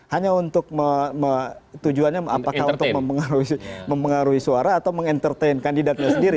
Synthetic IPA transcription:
haɲaunt̪ʊk̚məmət̪ud͡ʒuanɲaa̰pakauunt̪ʊkməmpəŋaɾuɦiməmpəŋaɾuɦisuaɾaːt̪awməŋɛnt̪ərt̪ejnkandidat̪̚ɲasəndiɾi

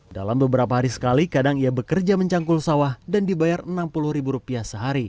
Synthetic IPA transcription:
da̰lambəbəɾapaɦaɾisə̥kalikadaŋiabəkərd͡ʒaməɲt͡ʃaŋkulsawahdandibajarənampuluhɾibuɾupiasəɦaɾi

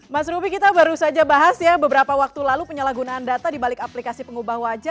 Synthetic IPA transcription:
masɾubikit̪abaɾusad͡ʒabaɦasjabəbəɾapawak̚t̪ulalupəɲəlaɡunaːndat̪adibalɪkaplikasipəŋubahwad͡ʒa

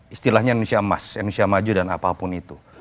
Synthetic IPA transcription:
ist̪ilahɲannusiama̰sanusiamad͡ʒudana̰papʊnit̪u

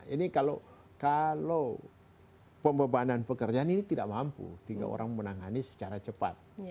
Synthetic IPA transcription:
inikalo | kalo | pəmbəbananpəkərd͡ʒaaninit̪ida̰ʔmampṵt̪iŋɡa̰ʔo̰ɾaŋmənaŋanisə̥t͡ʃaɾat͡ʃəpa̰t̪̚

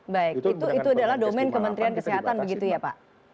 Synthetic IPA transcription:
baɪk̚it̪uit̪uadalahdomɛnkəmənt̪ɾiankəseɦat̪anbəɡit̪ujapa̰ʔ

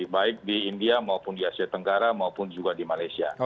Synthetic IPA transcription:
baɪk̚diindiamaupʊndiasiat̪əŋɡaɾamaupʊnd͡ʒuɡadimalajsia̰

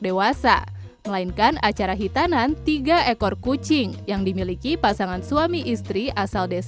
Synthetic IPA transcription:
dewasa̰ | məlainkanat͡ʃaɾaɦit̪anant̪iɡaʔekɔrkut͡ʃɪŋjaŋdimilikipasaŋansuamiʔist̪ɾiʔasaldes

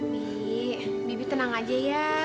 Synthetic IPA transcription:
i | bibit̪ənaŋad͡ʒaja

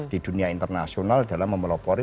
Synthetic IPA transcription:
d̥i̤d̥ṳniaint̪ərnasionald̥a̤lamːəməlɔpɔɾi

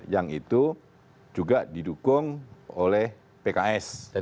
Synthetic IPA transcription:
jaŋit̪u | d͡ʒuɡaʔdidukʊŋolɛh | pekaɛs

